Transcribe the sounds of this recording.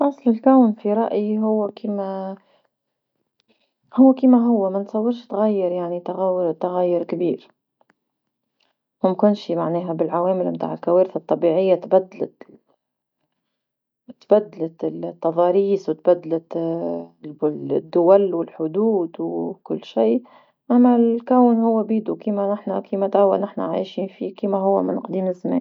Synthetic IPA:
fɑsˤlɪlkawnfiɾˤɑʔjiɦʊwːakiːma | hʊwːkiːmaɦʊwːamansˤɑwːɪɾʃt̪ɣajːɪɾjaʕnit̪aɣat̪aɣajːɪɾkabiːɾ | mʊmkʊnʃimaʕneːɦabɪlʕaweːmɪlmt̪a̰ːʕɪlkaweːɾθat̪ˤːɑbiːʕɪjːat̪bad̪ːala̰ | t̪bad̪ːalat̪ɪlt̪ːɑðˤɑːɾiːswɪt̪bad̪ːalɪ | d̪ːʊwalwɪlħʊd̪uːd̪wkʊlːʃiː | ʔamːalkawnhʊwːabiːd̪ukiːmanɪħnakiːmat̪ʔawːa̰nɪħna̰ʕa̰jʃiːnfikiːmaɦʊwːa̰mɪ̰nqd̪iːmɪzːamḛːn

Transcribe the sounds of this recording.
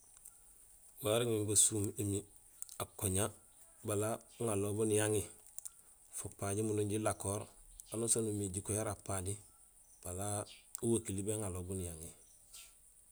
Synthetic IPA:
waɾiŋimibasuːmemi | akoɲa | balaŋalobunijaŋi | fopaɟimunuɲɟilakoːɾanosonumiɟikojaɾapaɟi | b̥alauwakilibeŋaloːbunijaŋi

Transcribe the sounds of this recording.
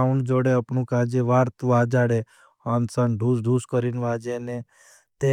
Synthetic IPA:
aund͡ʒoːɽeəpɳũkaːd͡ʒeʋaːɾt̪ʋaːd͡ʒaːɽe | ansənɖʱusɖʱuskəɾinʋaːd͡ʒene | t̪e

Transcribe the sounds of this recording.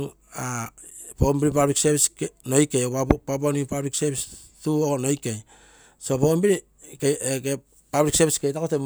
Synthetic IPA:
ŋ | a | pombiɾipabɾiksebiskno̞jkejoapabonipabɾiksebis | tuoono̞jkej | so̞pombiɾi | keeɡe | pabɾikseβiskejtakotem

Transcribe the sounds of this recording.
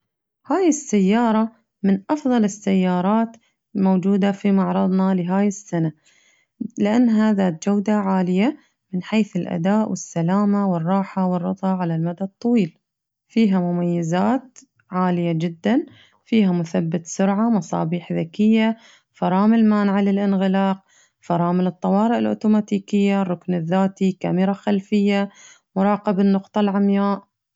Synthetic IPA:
haːjɪsːajːɑːɾˤɑ | mɪnʔɑfðˤɑlɪsːajːɑːɾˤɑːt̪ | moːd͡ʒuːd̪afimɑʕɾˤɑd̪ˤnɑlɪɦaːjɪsːana | lɪʔanːɦaðaːt̪̚d͡ʒawd̪aʕaːlɪja | mɪnħeːθɪlʔa̰d̪aːʔwɪsːalaːmawɪrˤːɑːħawɨrˤːɑt̪ˤɑʕalalmad̪ad̪̚t̪ˤːɑwiːl | fiːɦamʊmajːazaːt̪ | ʕaːlɪjad͡ʒɪd̪ːan | fiːɦamʊθabːat̪sʊɾʕamɑsˤɑ̰ːbiːħðakɪjːa | fɑɾˤɑːmɪlmaːnʕalɪlʔɪnɣɪlɑːq | fɑɾˤɑːmɪlɨt̪ˤːɑwɑːɾɨʔɪlʔo̰ːt̪uːmaːt̪iːkɪjːarˤːʊknɪðːaːt̪ika̰mɪɾˤaxalfɪjːa | mʊɾˤɑːqɪbɪnːʊqt̪ˤɑlʕamjaːʔ

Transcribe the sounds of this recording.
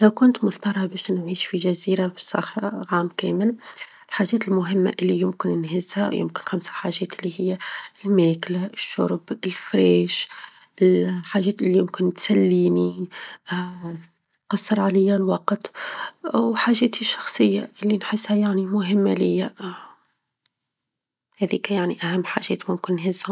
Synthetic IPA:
ʔɪlawkʊnt̪mʊθt̪ɑɾˤɑbɛːʃnʕiːʃfiʒæziːɾabɪsˤːɑ̰xɾˤɑ̰ʕaːmkɛːmɪl | ɪlħaːʒɛːt̪ɪlmʊɦɪmːa̰ʔɪlːijɪmkɪnnɦɪzhæwjɪ̰mkɪnxamsḁħaːʒɛːt̪ʔɪlːihɪjːalmɛːklaʔɪʃːʊ̰ɾˤbɪlfɾɛːʃ | ɪlħaːʒɛːt̪ʔɪlːijɪmkɪnt̪sælːiːni | qɑsˤːəɾʕalɪjːalwɑqt̪ʔwħaːʒɛːt̪iʃːɑ̥xsˤɨjːaʔɪlːinħɪsːhajaʕnimʊɦɪmːalɪjːa | hɛːðiːkæjaʕniʔæhæmːħa̰ʒɛ̰ːt̪mʊmkɪnnɦɪzhʊ

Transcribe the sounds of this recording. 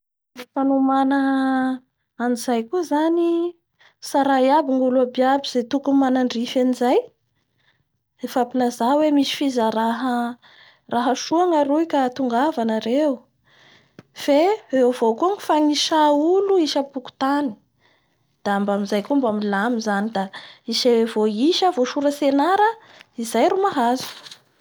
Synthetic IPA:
fanumanə | anizajkuzani | saɾajabiŋuluabiabiz̥et̪ukumanaɳɖ͡ʐifanizaj | efapilazawemisi̥fizəɾaɦə | raɦəʃuaŋaɾuikat̪uŋɡavanaɾew | feewvokuaŋifaŋiʃauluiʃəpuku̥t̪ani̥ | d̪̥aambamizajkumbamilamizanid̪aiʃevoiʃəvoʃuɾəsenaɾə | izajɾumaɦazu̥

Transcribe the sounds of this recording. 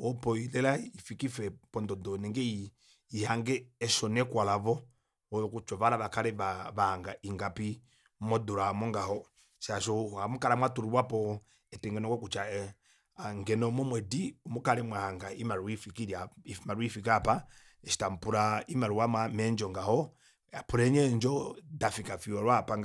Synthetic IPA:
ɔpɔilɛlaifikifɛpɔndɔdɔnɛŋɡɛi | ihaŋɡɛːʃɔnɛkwalavɔ | ɔkut͡ʃɔβalaβakalɛaβahaŋɡaʔiŋɡapi | mɔduɾamɔŋɡahɔ | saʃɔamukaɾamwatuɾuwapɔ | ɛtɛŋɡɛnɔkɔkut͡ʃa | aŋɡɛnɔmɔmwɛdiumukalɛmwahaŋɡaimaɾuifikiɾjaimaɾwifikapa | ɛʃi̥tam̩puɾaimaɾuwamamɛnd͡ʒɔŋɡahɔ | apuɾɛɲɛnd͡ʒɔdafikafiwaɾwapaŋ

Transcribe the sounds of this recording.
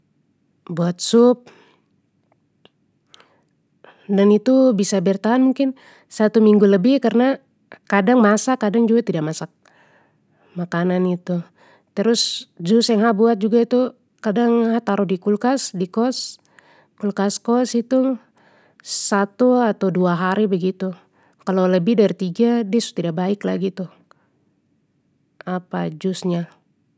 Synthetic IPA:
buat̪̚sup̚ | danit̪ubisabɛrt̪aɦanmuŋkɪn | sat̪umiŋɡuləbɪhkarna | kadaŋmasakadaŋd͡ʒuɡat̪idaʔ̚masak̚ | makananit̪u | t̪əɾʊsd͡ʒusaŋɦabuat̪̚d͡ʒuɡait̪u | kadaŋhat̪aɾʊhdikulkasdikɔs | kulkaskɔsit̪u | sat̪uat̪awduaɦaɾibəɡit̪u | kaloləbɪhdaɾit̪iɡadiasu̥t̪idaʔ̚baɪkla̰ɡit̪u | apad͡ʒʊsɲa

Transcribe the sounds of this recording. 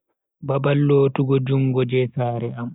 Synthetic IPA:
babalːoːtuɡɔd͡ʒuŋɡɔd͡ʒɛsaːɾɛam

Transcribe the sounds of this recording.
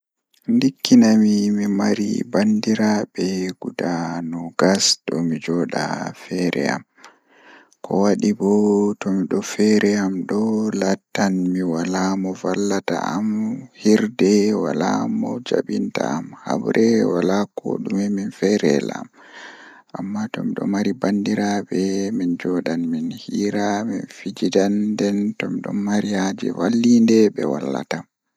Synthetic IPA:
ndikʰːinamimimaɾḭbandiɾabɛɡ̥udanɔɡasɗɔ̰mid͡ʒɔɗa̰fɛɾɛ̰a̰m | kʰɔ̰waɗibɔtɔmiɗɔfɛɾʔɛamɗɔlatːanmiwalamɔvalːata̰amhiɾdɛwalamɔd͡ʒa̰ɓinta̰ːmha̰bɾʔɛwalako̰ɗumɛminfɛɾɛ̰la̰m | ʔamːatɔmiɗɔ̰maɾibandiɾabɛmind͡ʒɔɗanminhiːɾaminfid͡ʒidandɛntɔmiɗɔ̰nmaɾijad͡ʒɛ̰walːindɛɓɛwa̰lːa̰tam

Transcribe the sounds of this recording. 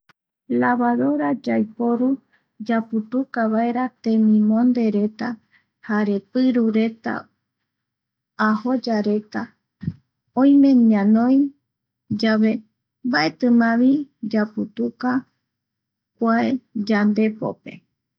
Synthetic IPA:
laβaðo̞ɾad͡ʒajpo̞ɾu | d͡ʒaput̪ukaβae̞ɾat̪ẽ̞mĩmõnd̪e̞ɾe̞t̪a | haɾe̞pɨɾuɾe̞t̪a̰ | aho̞d͡ʒaɾe̞t̪a | õj̃mẽ̞ɲãnõj | d͡ʒaβe̞ | mbae̞t̪ɨmãβid͡ʒaput̪uka | kʷaed͡ʒand̪e̞po̰pe̞̰

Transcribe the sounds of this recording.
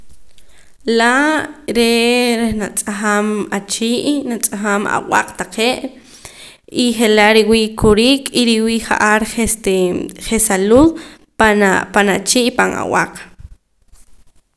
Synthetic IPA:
laɾeɾehnat͡sʼaχaːmat͡ʃiːʔnat͡sʼaχaːma̰wa̰q͡χt̪aqeːʔ | iχelaʔɾiwiːʔkʰuɾiːkʼiɾiwiːʔχa̰ʔaɾχest̪eχesaluð | panat͡ʃiːʔpaŋa̰w̰a̰q

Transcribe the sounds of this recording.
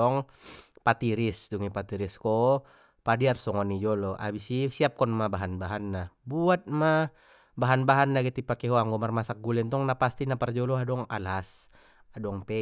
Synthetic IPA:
ɔŋ | pat̪iɾisduŋipat̪iɾiskɔ | padiarsɔŋɔnid͡ʒɔlɔʔa̰bisisiap̚kɔnmabaɦanbaɦanːabuat̪̚ma | baɦanbaɦanːaɡɛt̪ipakɛɦɔaŋɡɔmarmasak̚ɡulɛnt̪ɔŋnapast̪inapard͡ʒɔlɔadɔŋa̰las | adɔŋpɛ

